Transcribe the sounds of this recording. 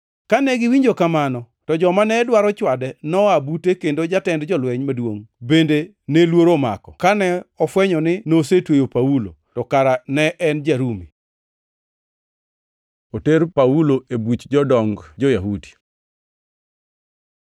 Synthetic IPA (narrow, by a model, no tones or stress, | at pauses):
kanɛɡɪwiɲd͡ʒokamanɔ | tɔd͡ʒɔmanɛdwaɾɔt͡ʃwadɛnɔabutekendod͡ʒatɛndd͡ʒɔlwɛɲmadwoŋbende | nelwoɾoma̰kɔ̥kanɛɔfwɛɲɔnɪnosetwejopaulo̰tɔkaɾanɛʔɛnd͡ʒaɾumi | oteɾpauloebut͡ʃd͡ʒɔdɔŋɡd͡ʒojaɦudi̥